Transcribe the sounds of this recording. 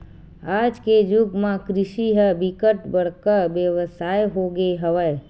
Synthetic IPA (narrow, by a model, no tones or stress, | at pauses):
aːd͡ʒked͡ʒʊɡmãkɾɪʃiɦəbɪkəʈbəɽ̤kəɾbjəʋəsaːjɦoːɡeɦəʋəj